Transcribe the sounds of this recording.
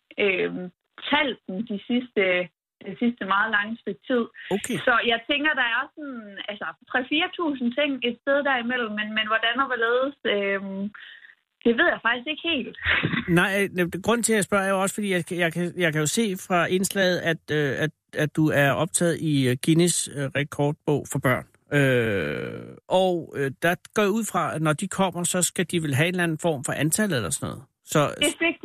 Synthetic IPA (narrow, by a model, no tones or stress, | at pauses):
øm | t͡sʰæl̰d̥n̩d̥isisd̥ə | d̥ensisd̥əmɑ̈ːð̞ˠlɑ̈ŋəsiɡ̥̚t͡sʰið̞̰ˠokʰesɒ̽jɑ̈ɪt͡sʰeŋɡ̥ɐd̥ɑ̈æɐsɔnælsɐt͡sʰʁɛfiːɐt͡sʰṵːsn̩t͡sʰe̝ŋ̰e̝d̥sd̥eð̞ˠd̥æɐimel̰m̩ːenmenʋɒd̥ænɒʋeleːðˠəsøm | d̥e̝ʋe̝ð̞̰ˠjɑ̈ɪfɑ̈ɡ̥isɡ̥e̝ɡ̥he̝̰ːld̥nɑ̈ɪ̰ɡ̥ʁɔ̽n̰n̩t͡sʰeljɑɪsb̥ɶɐ̰æɐjoɒ̽sə̥fɒ̽d̥ḭːjaɪjɑ̈ɪkʰæjɑ̈ɪkʰæjo̝se̝̰ːfʁɑ̈e̝nslɛ̰ɪð̞̩ˠæd̥øæ̥ | æ̥uæɐɒ̽b̥̚t͡sʰɛ̰ːð̩ˠiɡ̥inisʁɛ̥kʰɒːd̥̚b̥ɔ̰ʊ̰fɑb̥ɶɐ̰n | ø | ʔɒʊød̥æ̈ɡ̥ɒ̰ːjauð̰ˠfʁɑ̈nɒd̥ikʰɒ̽m̰ɐsɒ̽sɡ̥æd̥iʋelɦæe̝nlæn̩fɒ̰ːmfɒ̽ʔænt͡sʰæl̰ð̩ˠelɐsɒnɔ̽ːð̩ˠ | sɒ̽eɡ̥